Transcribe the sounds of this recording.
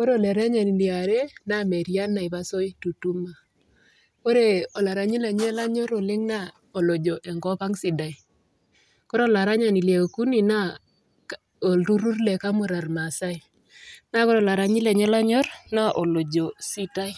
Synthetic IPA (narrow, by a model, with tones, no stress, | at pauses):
ko˦ɾo˦˨lɛ˨ɾɛ˦ɲa˨ni˨li˨a˨ɾe˦na˦me˨ɾja˦na˨i˨ba˦so˦i˦tu˨tu˦ma˨ | ko˦ɾe˦ɔ˨la˨ɾa˨ɲi˦le˨ɲɛ˦la˦ɲɔ˦ɾo˨lɪ˦ŋna˦ | o˨lo˨d͡ʒo˨ʔɛ˨ŋɡɔ˦pa˦ŋsi˨da˨i˨ | ko˦ɾɔ˨la˨ɾa˦ɲa˨ni˨lje˨o˨ku˦ni˨na˦ | o˨ɾu˦ɾu˦rlɛ˨ka˦mu˨ɾa˨rma˨sa˦i˨ | na˦ko˦ɾla˨ɾa˨˦ɲi˦le˨ɲɛ˦la˦ɲɔ˦ɾna˦ʔo˨lo˨d͡ʒo˨si˦ta˦j